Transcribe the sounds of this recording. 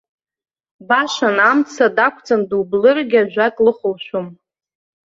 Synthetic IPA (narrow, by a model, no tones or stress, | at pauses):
baʃanamt͡sʰadakʷʰt͡sʰʼandublɨrɡʲaʒʷᶣatʼlɨχʷʊlʃʷum